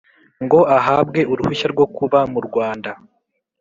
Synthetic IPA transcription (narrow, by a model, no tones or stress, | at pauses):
ŋɡo̞ʔaɦaːb̚ɡe̞ʔuɾuhuʃaɾɡwo̞kuβamuɾɡwaːnda